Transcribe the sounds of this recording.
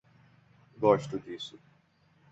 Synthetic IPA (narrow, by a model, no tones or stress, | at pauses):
ɡɔʃt̪ʊd͡ʒisʊ